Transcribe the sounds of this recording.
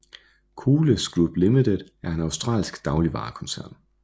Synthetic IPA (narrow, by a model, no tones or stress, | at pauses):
kʰuːləsɡ̥ɹub̥limid̥ed̥æɐe̝næʊsd̥ʁɑ̰̈ːlsɡ̥d̥ɑ̈ʊliʋɑ̰̈ːkʰɒ̽nsæɐ̰n